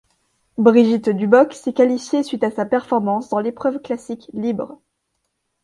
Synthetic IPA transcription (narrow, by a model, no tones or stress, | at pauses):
bʁiʒit̪d̪ybɔksɛkalifjesɥit̪asapɛʁfɔʁmɑ̃sd̪ɑ̃lepχœvklasiklibʁ